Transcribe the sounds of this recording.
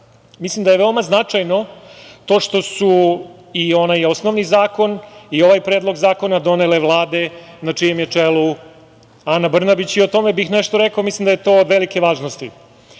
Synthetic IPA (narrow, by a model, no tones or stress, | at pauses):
mislimd̪ajeʋe̞omaznat͡ʂajno̞t̪o̞ːʂt̪o̞su | io̞najo̞snoʋnizaːko̞nio̞ʋajpɾeːd̪lo̞ɡzaːko̞nad̪o̞nele̞ʋlˠaːd̪e̞naijemjet͡ʂelu | anabr̩nabit͡ɕiot̪o̞me̞bixneʃt̪oɾekaoːmislimd̪ajet̪o̞ːod̪ʋe̞like̞ʋaːʒnost̪ḭ